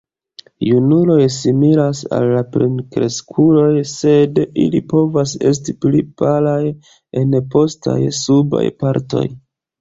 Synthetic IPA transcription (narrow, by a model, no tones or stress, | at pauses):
junulo̞jsimilasa̰lːapɾinkɾe̞̰skʰulo̞jse̞dḭlipo̞vase̞̰s̬tiplipalaj | e̞npo̞sta̰jsuba̰jpaɾto̞̰j